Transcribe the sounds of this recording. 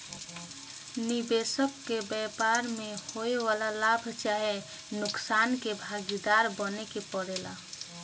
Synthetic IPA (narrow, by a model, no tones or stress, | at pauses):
nibeːsəkːebɛpaɾmẽhoewaːlalabʱt͡ʃaɦe | nʊksaːnkebʱaɡid̪aɾbənekepəɽeːla̰